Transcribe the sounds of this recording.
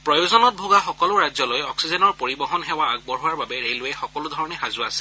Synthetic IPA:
pɹɔjozɔnɔt̚bʱoɡaxɔkɔlʊɹazɔlojɔksizɛnɔɹpoɹibɔɦɔnɦɛwaaɡ̚bɔɹɦʊwaɹbabɛɹelʊɛxɔkɔlʊdʱɔɹɔnɛxazʊasɛ

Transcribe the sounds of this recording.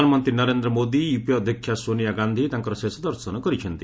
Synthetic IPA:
anɔmɔnt̪ɾinɔɾend̪ɾɔmod̪ijupiɔd̪ʱjɔkʰːjasonijaɡand̪ʱit̪aŋkɔɾɔsesɔd̪ɔɾsɔnɔkɔɾit͡ʃʰʌnt̪i

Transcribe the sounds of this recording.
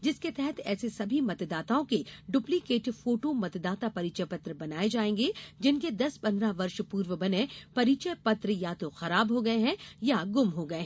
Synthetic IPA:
d͡ʒɪsket̪ɛɦɛt̪ʰɛːsesɐbʱimɐt̪d̪aːt̪aõkeɖʊplikeːʈfoːʈomɐt̪d̪aːt̪apɐɾiːt͡ʃəpɐt̪ɾəbɐnaːed͡ʒaːẽːŋɡed͡ʒɪnked̪ɐspɐ̃nɾaʋɐɾʃpuːɾʋəbɐnẽpɐɾiːt͡ʃəpɐt̪ɾəjat̪oxɐɾaːbɦoɡɐeɦɛ̃jaɡʊmɦoɡɐeɦɛ̃

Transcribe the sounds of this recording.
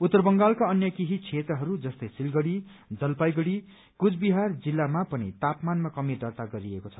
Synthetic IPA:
ut̪ːʌrbʌŋɡalkaʌnjʌkiɦit͡sʰet̪rʌɦʌɾud͡zʌst̪ʌjsilɡʌɽi | d͡zʌlpajɡʌɽi | kut͡sʰbiɦard͡zilːamapʌnḭt̪apmanmakʌmid̪ʌrt̪aɡʌɾiekot͡sʰʌ̥

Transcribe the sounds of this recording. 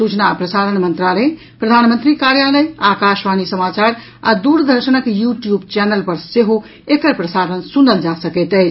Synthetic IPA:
sut͡ʃənapɾəsaɾənmənt̪ɾale | pɾəd̪ʱanmənt̪ɾikaɾjaləjakaʃʋanisəmat͡ʃaɾ | a̰d̪uɾd̪ʱəɾsənəkjuʈjubt͡ʃɛnəlpəɾseɦo | ekəɾpɾəsaɾənsunəld͡ʒasəkɛt̪əɪt͡ʃʰ

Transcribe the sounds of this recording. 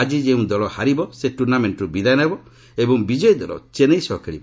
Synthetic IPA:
ad͡ʒid͡ʒeũd̪ɔɭɔhaɾibɔseʈuɾnameɳʈɾubid̪ajnajbɔ | ebɔŋbid͡ʒɔjd̪ɔlɔ̰t͡ʃenejsɔkʰeɭḭbɔ

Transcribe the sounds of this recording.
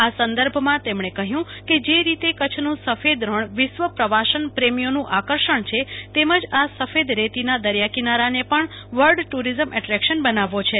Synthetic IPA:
asə̃nd̪əɾbʱmãt̪emɳ̃ekəɦjũked͡ʒeɾit̪ekət͡ʃʰnũsəfed̪ɾəɳʋɪʃʋəpɾəʋaʃənpɾemijonũʔakəɾʃəɳt͡ʃʰet̪eməd͡ʒasəfed̪ɾet̪inad̪əɾjakinaɾanepəɳ | ʋəɾɖʈuɾizəmʔɛʈɾɛkʃənbənaʋot͡ʃʰe

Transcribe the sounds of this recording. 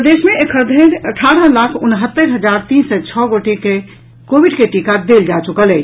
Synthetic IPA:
pd̪esmẽekʰəɾd̪ʱənəʈʰaɾəlakʰʊnɦət̪ːəɾɦəd͡ʒaɾt̪iːnsɛt͡ʃʰɔɡoʈike | kobiɖkeʈikad̪eld͡ʒat͡ʃukələɪt͡ʃʰ

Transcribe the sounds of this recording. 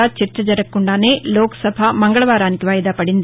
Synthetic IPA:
aːt͡ʃɐɾt͡ʃːɐd͡ʒɐɾɐkːuɳɖaːne̞ːloːkɐ̥sɐbʱaːmɐŋɡɐɭɐʋaːɾaːnikiʋaːjɐd̪aːpɐɽind̪i

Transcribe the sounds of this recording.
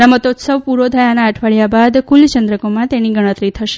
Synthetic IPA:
amət̪ot̪səʋpuɾod̪ʱəjanaːʈʰʋaɭjabad̪kult͡ʃənd̪ɾəkomãt̪eniɡəɽ̃ə̃t̪ɾit̪ʰəʃe

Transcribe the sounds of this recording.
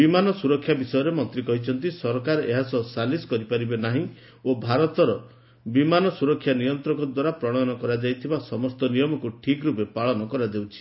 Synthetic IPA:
bimanɔsuɾɔkʰːjabisɔjɔɾemɔnt̪ɾikɔɦit͡ʃʰɔnt̪̬isɔɾɔkaɾeɦasɔsaliskɔɾipaɾibenaɦĩ | obʱaɾɔt̪ɔɾɔ | bimanɔsuɾɔkʰːjanijɔnt̪ɾɔkɔd̪waɾapɾɔɽ̃anɔkɔɾad͡ʒajt̪ʰibasɔmɔst̪ɔnijɔmɔkuʈʰikɾupepaɭɔnɔkɔɾad̪ewt͡ʃʰi̥

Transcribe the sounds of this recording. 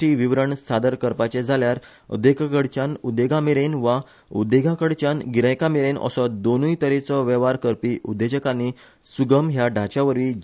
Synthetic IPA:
iʋiʋɾəɳsad̪əɾkəɾpat͡ɕed͡zʱaljaɾ | ə̰d̪ekakəɽt͡ɕanud̪eɡameɾenʋa | ud̪eɡakəɽt͡ɕanɡiɾə̃jkameɾenə̰sɔd̪onujt̪əɾet͡sɔʋɛʋaɾkəɾpiʔud̪ed͡ʑəkani | suɡəmɦjaɖʱat͡ɕaʋəɾʋiːd͡ʑ

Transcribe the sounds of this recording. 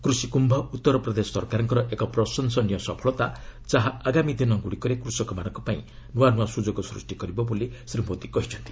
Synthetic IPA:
kɾusikumbʱɔut̪ːɔɾɔpɾɔd̪esɔsɔɾkaɾɔŋkɔɾɔʔekɔpɾɔsɔnsɔnijɔsɔpʰɔɭɔt̪ad͡ʒaɦaaɡamid̪inɔɡuɽikɔɾekɾusɔkɔmañɔŋkɔpaḭ̃ | nuanũasud͡ʒoɡɔsɾusʈikɔɾibɔbolisɾimod̪ikɔɦit͡ʃʰɔnt̪i

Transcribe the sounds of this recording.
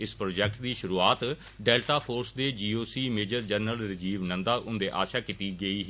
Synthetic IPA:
ɪspɾoːd͡ʒɛːkʈd̪iːʃʊɾuːaːt̪ | ɖɛːlʈaːpʰoːɾsd̪eːd͡ʒiːoːsiːmeːd͡ʒəɾd͡ʒəɾnəlɾɪd͡ʒiːʋnə̃nd̪aːʔʊnd̪eːʔa̰ːʃaːkit̪iːɡəiːɦ

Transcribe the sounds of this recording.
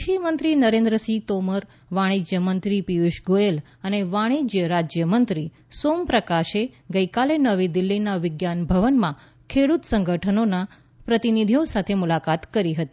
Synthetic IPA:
ʃimənt̪ɾinəɾẽnd̪ɾəsit̪oməɾ | ʋaɽ̃id͡ʒjəmənt̪ɾipijuʃɡojel | əneʋaɽ̃id͡ʒjəɾad͡ʒjəmənt̪ɾi | sompɾəkaʃeɡəikalenəʋid̪ɪlːinaʋɪɡjanbʱəʋənmã | kʰeɽut̪səŋɡəʈʰənona | pɾət̪inid̪ʱiõsat̪ʰemulakat̪kəɾiɦət̪i

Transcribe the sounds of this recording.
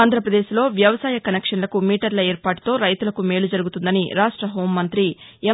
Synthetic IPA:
nd̪ʱɾɐpɾɐd̪e̞ːʃilo̞ːʋjɐʋɐsaːjɐkɐnekʂɐnlɐkumiːʈɐɾlɐeːɾpaːʈu̥t̪o̞ːɾɐjt̪ulɐkume̞ːlud͡ʒɐɾuɡut̪und̪ɐniɾaːʂʈɾɐɦo̞ːmːɐnt̪ɾie

